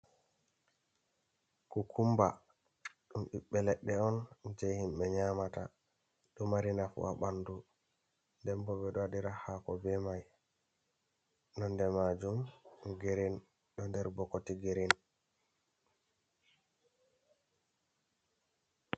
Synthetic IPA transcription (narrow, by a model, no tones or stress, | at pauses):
kukʰumba | ɗumɓiɓːɛlɛɗːɛɔnd͡ʒɛjhimɓɛɲamata | ɗɔmaɾinafṵʔa̰ɓandu | ndɛmbɔbɛɗɔadiɾahakɔbɛmaj | nɔndɛmad͡ʒumɡeɾin | ɗɔndɛɾbɔkːotiɡeɾin